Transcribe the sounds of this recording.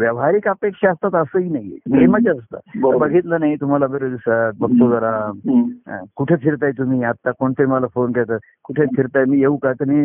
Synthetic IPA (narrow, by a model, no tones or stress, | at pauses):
ʋjaʋɦaɾikapekʂaːst̪at̪əsəinaɦimad͡ʒaəst̪a̰bɾbəɡʱit̪lanait̪um̤alabeɾod̪isət̪̚bək̚t̪oɡəɾam | kuʈʰepʰiɾt̪aet̪um̤iat̪ːakoɳt̪əɾiməlafonkeɭt̪a | kuʈʰepʰiɾt̪ajmiːeũkat̪əmi